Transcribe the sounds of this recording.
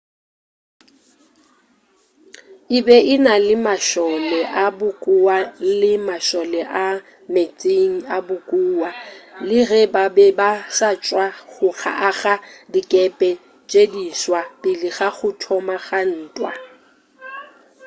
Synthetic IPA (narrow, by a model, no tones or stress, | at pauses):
ɪbɛɪnalɪmaʃɔlɛʔabʊkʼʊwalɪmaʃɔlɛʔa | met͡sʼeŋ̩abʊkʼuːwalɪrɛbabɛbasat͡ʃʼwaχʊɣʰa̰ʔaɣadikʼɛpʼɛ | t͡ʃʼediswapʼɪlɪɣaχʊtʰɔmaɣan̩ːtʼwa̰